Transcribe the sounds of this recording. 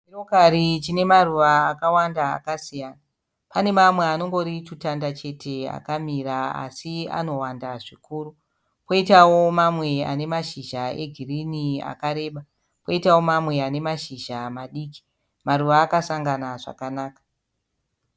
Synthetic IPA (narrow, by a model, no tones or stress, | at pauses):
irokaɾit͡ʃine̞maruʋaːkawandaa̰kasijaːna | pane̞mamwe̞ano̞ŋɡo̞ɾitutandat͡ʃe̞tʰe̞a̰kamiraa̰sia̰no̞wandaʐikuːɾu | poitawo̞mamwea̰ne̞maʃiʒae̞ɡʱirinia̰kaɾe̞ːɓa | poitawo̞mamwe̞ane̞maʃiʒamaɗiːki̥ | maruʋaːkasaŋɡanaʐa̰kanaːkḁ